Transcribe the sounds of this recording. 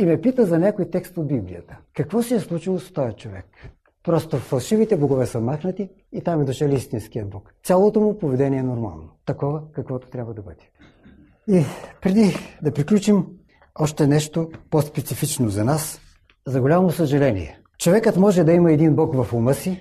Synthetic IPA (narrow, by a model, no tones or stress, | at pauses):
imɛpit̪əzɐnʲakojt̪ɛkst̪od̪̚biblijə̰t̪ə̥kːɐkvɔsiɛslˠut͡ʃilˠost̪ɔjət͡ʃovɛ̰k | pɾɔst̪ofɐlˠʃivit̪ɛboɡovɛsəmaxnət̪iː | t̪amɛd̪ʊʃɛlʲist̪inskʲiəd̪̚blɔk̪sʲalˠot̪omʊpovɛd̪ɛniɛnoɾma̰lˠnot̪ɐkɔvəkɐkvɔt̪o̥t̪ɾʲabvəd̪ɐbəd̪ɛ̥ | ipɾɛd̪id̪ɐpɾiklʲut͡ʃim | ɔʃt̪ɛnɛʃt̪opospɛt̪sifit͡ʃnozɐnas | zɐɡolʲamosəʒɐlɛnḭɛ̰ | t͡ʃovɛkət̪mɔʒɛd̪ɐimɐɛd̪inblɔkvɐfumɤsi